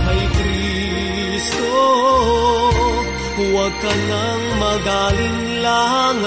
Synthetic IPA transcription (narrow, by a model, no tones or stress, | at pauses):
hɐjkɾi | st̪o | wɐɡ̚kɐnɐ | ŋmɐɡalɪn | laɦaŋ